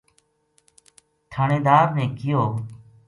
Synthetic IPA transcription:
t̪ʰaːneːd̪aːɾnẽːkɪjoː

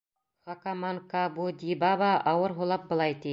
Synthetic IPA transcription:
χɑkamaŋkɑbud̪ʲibɑβɑʔɑwɤɾɦulˠɑp̚bɤ̆lˠɑjt̪i

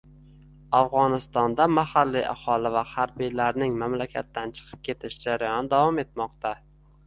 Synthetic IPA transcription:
afʁɒnɪst̪ɒnd̪amahalːiʔa̰hɒlɪvahaɾbijlaɾnɪŋmamlakʲʰa̰t̪ːant͡ʃʰɨ̥qʰɨ̥p̚kʲʰe̞t̪ʰɪʃd͡ʒaɾajɒnɪd̪avɒme̞t̪mɒqt̪ʰa

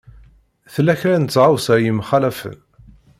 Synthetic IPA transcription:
θəlːæçɾænt͡sːʁawsəjimχælæfə̰n

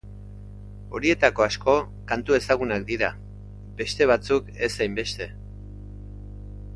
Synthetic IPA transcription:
o̞ɾie̞t̪ako̞asko̞ | kant̪ue̞saɣ̞unak̚d̪iɾa | be̞st̪e̞β̞at͡suke̞sajmbe̞st̪e̞

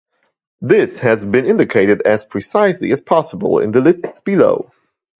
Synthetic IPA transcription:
ðɪshɨzbɨ̃nɪ̃ndɨkʰeɪɾɨdɨz̥pʰɹ̥ɨsaɪslḭɨz̥pʰɑsəbə̰l̩ˠɪ̰̃nðəlɪstsb̥ɨlo̰ʊ

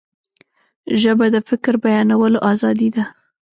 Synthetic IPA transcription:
ʒəbad̪əfɪkɾbajɑnawəloʔɑzɑd̪id̪a

